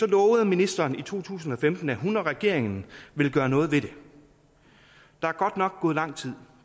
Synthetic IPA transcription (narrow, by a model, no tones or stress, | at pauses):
sɒ̽lɔ̽ːʊð̞̩ˠminisd̥ɐːnit͡sʰo̝̰ːt͡sʰṵːsn̩ɒ̽femd̥n̩æɦunɐʁɛɡ̥e̝ɐ̰e̝ŋn̩ʋe̝lɡ̥ɶːɐnɔ̽ːð̞̩ˠʋe̝ɾ̥e̝ | d̥ɑ̈æɐɡ̥ɒ̽d̥nɒ̽ɡ̥ɔ̽ːð̩ˠlɑ̈ŋ̰t͡sʰið̞̰ˠ